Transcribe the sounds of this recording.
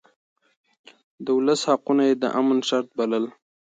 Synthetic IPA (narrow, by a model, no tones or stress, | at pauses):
d̪əʊləshaqunajed̪ə̰ʔamənʃaɾt̪̚baləl